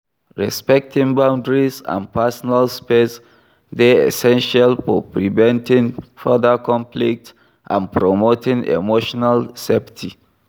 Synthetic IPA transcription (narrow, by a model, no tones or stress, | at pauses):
ɹɛspɛk̚tʰĩŋbãʊ̃ndɹisã̰npʰɛsɔnalspes | deḛsɛ̃nʃalfɔpɹivɛ̃ntĩŋfɜdəkɔ̃mplik̚t | ʔã̰npɹomotĩŋḛmoʃɔnalsɛptʰḭ